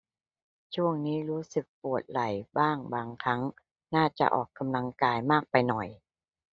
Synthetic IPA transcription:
t͡ɕʰu˥˩əŋniː˦˥ɾuː˦˥sɯ˨˩k̚pu˨˩ət̪̚la˨˩jbaː˥˩ŋbaː˧ŋkʰɾa˦˥ŋ | naː˥˩t͡ɕa̰˨˩ʔɔ̰ː˨˩kːa˧mla˧ŋkaː˧jmaː˥˩k̚pa˧jnɔ˨˩j

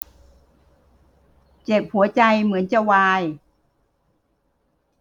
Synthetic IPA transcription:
t͡ɕe˨˩p̚hu˩˦ɐt͡ɕa˧jmɯ˩˦ənt͡ɕa˧˩waː˧j

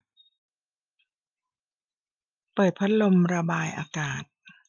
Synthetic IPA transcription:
pɤː˨˩t̪̚pʰa˦˥t̪̚lo˧mɾa˧baː˧jʔa̰ː˧kaː˨˩t̪̚

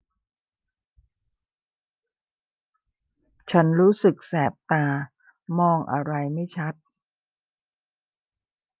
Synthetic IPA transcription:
t͡ɕʰa˦˥nɾuː˦˥sɯ˨˩k̚sɛː˨˩p̚t̪aː˧ | mɔː˧ŋʔa̰˧ɾa˧jma˥˩jt͡ɕʰa˦˥t̪̚

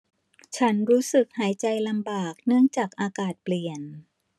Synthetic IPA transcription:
t͡ɕʰa˦˥nɾuː˦˥sɯ˨˩k̚haː˩˦jt͡ɕa˧jla˧mbaː˨˩k̚nɯ˥˩əŋt͡ɕaː˨˩k̚ʔaː˧kaː˨˩t̪̚pli˨˩ən

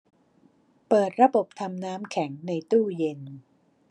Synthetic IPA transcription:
pɤː˨˩t̪̚ɾa˧bo˨˩p̚t̪ʰa˧mnaː˦˥mkʰɛ˩˦ŋna˧jt̪uː˥˩je˧n

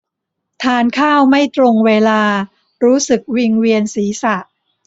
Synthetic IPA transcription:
t̪ʰaː˧nkʰaː˥˩wma˥˩jt̪ɾo˧ŋweː˧laː˧ | ɾuː˦˥sɯ˨˩k̚wi˧ŋwi˧ənsiː˩˦sa˨˩ʔ

